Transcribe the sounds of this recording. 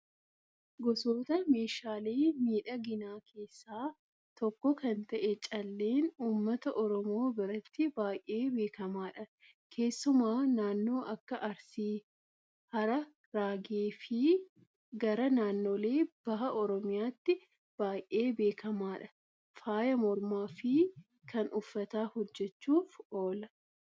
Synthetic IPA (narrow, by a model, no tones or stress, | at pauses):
ɡɔsoːt̪ɐme̞ːʃaːle̞ːmiːᶑɐɡɪnaːkʰe̞ːsːaː | t̪ɔkːɔkɐnt̪ɐʔɛt͡ʃʼɐlːe̞ːnuːmːɐt̪ɐʔɔɾɔmo̞ːbɪɾɐt̪ːɪbaːjʔe̞ːbe̞ːkɐmaːᶑɐ | kʰe̞ːsːʊmaːnaːnːo̞ːʔɐkːɐʔɐɾsiː | hɐɾɐ | ɾaːɡeːfɪ | ɡɐɾɐnaːnːo̞ːle̞ːb̥ɐɦɐʔɔɾɔmɪjaːt̪ːɪ | b̥aːjʔe̞ːbe̞ːkʰɐmaːᶑɐ̥ | faːjɐmɔɾmaːfɪ | kɐnʔʊfːɐt̪aːhɔd͡ʒːɛt͡ʃːuːfoːlɐ